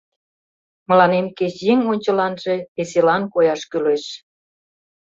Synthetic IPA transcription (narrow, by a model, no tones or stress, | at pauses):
mə̆lɑnemket͡ɕjeŋonʲt͡ɕə̆lɑnʒeeselɑnkojɑʃkyleʃ